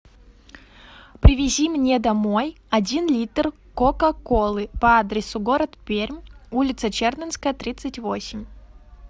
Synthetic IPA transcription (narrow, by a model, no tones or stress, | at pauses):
pɾʲɪvʲɪzʲimnʲed̪ɐmo̞j | ɐdʲinlʲit̪r | kokɐkolˠɨpɐad̪ɾʲɪsʊɡoɾət̪pʲeɾʲmulʲɪt̪sət͡ɕernʲənskəjət̪ɾʲit̪sɨtʲvosʲɪmʲ